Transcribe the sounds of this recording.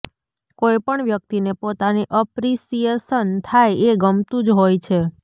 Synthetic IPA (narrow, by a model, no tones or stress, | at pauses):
kojpəɳʋjək̚t̪inepot̪aniʔəpɾisijesənt̪ʰajeɡəmt̪ũd͡ʒɦojt͡ʃʰe